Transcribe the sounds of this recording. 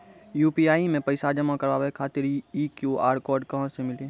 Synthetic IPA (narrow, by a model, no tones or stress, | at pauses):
juːpiaːimẽpəɪsad͡ʒəmakəɾaːʋekʰaːt̪ɪɾiːkjuʔa̰ːɾkɔːɾɖkaɦsemɪlẽː